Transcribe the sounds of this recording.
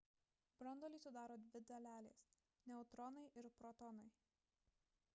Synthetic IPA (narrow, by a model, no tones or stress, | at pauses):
b̥ɾɔnd̪ɔlʲiˑsʊd̪ɑːɾoːd̪ʲʋʲɪd̪ɐlʲæːlʲḛːs | nʲɛʊt̪ɾɔnɐɪʔɪɾpɾɔt̪ɔnɐɪ